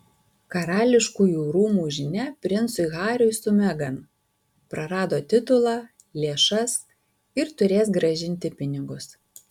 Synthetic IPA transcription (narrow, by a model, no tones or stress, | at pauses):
kɐɾɑːlʲɪʃkuːjuːɾuːmuːʒʲɪnʲɛpʲɾʲɪɛnsʊɪɣɑːɾʲʊjsʊmʲɛɡɐn | pɾɐɾɑːd̪oːt̪ʲɪt̪ʊlˠɑː | lʲeːʃɐs | ɪɾt̪ʊɾʲeːsɡɾɐʒʲɪnʲt̪ʲɪpʲɪnʲɪɡʊs